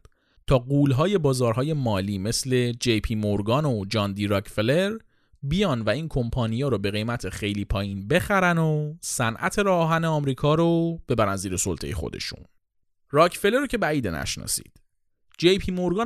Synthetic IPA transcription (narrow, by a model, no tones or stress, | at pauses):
t̪ʰɒːɡuːlɦɒːje̞bɒːzɒːɾɦɒːje̞mɒːliːme̞sle̞d͡ʒejpʰiːmoɾɡɒːnod͡ʒɒːnd̪iːɾɒcʰfeleɾ | bijɒːnvæiːnkʰo̞mpʰɒːnijeɾobe̞ɣe̞jmæt̪ʰe̞xe̞jliːpʰɒːjiːnbe̞xæɾænosænʔæ̰t̪ʰe̞ɾɒːɒːɦæneɒːmɾiːkʰɒːɾob̥e̞bæɾænziːɾe̞so̰lt̪ʰe̞̰jexo̰d̪e̞̰ʃṵn | rɒːcʰfeleɾocʰe̞bæiːd̪enæ̰ʃnɒ̰sḭːd̪̥ | d͡ʒejpʰiːmoɾɡɒː